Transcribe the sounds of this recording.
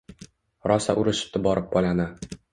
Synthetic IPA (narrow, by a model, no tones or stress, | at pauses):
ɾɒsa̰ʔʊɾɪʃɪ̥p̚t̪ɪbɒɾɪp̚bɒlana